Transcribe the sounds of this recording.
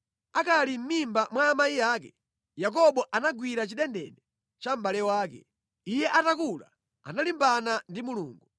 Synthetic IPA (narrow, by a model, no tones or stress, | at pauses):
akalim̩mimbamwaːmaijaːk̬ɛ | jak̬ɔɓɔʔanaɡwiɾat͡ʃiɗɛndɛ̰ɗɛ | t͡ʃam̩ɓalɛwaːkɛ̰ | ijɛʔatakula̰ | a̰nalimbanandimuluːŋɡu